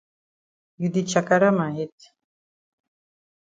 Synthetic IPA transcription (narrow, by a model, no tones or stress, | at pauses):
jyd̪it͡ʃʰakaɾamaɦit̪